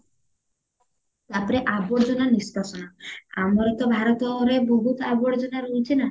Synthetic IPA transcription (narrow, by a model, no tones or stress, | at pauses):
t̪apɔɾeʔaboɾd͡ʑonanispasɔnaamɔɾet̪ɔbʱaɾɔt̪ɔɾeboɦut̪aboɽd͡ʒonaɾojt͡ɕʰina